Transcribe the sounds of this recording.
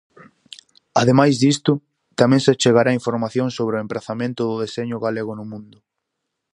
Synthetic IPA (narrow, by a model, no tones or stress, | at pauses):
aðemajzðist̪ʊ | t̪amɛ̃ŋsɪat͡ʃeɣaɾaːiɱfoɾmaθjõŋsoβɾɪʊempɾaθamẽnt̪ʊðʊðeseɲʊɣaleɣʊnʊmũnd̪ʊ